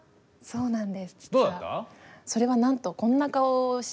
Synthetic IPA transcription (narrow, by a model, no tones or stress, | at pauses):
so̞ːnãnd̪e̞sɨ̥d̪oːd̪aa̰so̞ɾe̞βanãnt̪o̞kõ̞nːakaoɕ